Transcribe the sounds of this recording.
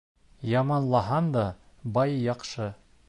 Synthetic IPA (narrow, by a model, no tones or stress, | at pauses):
jɑmɑnlˠɑɦɑnd̪ɑ | bɑjjɑqʃɤ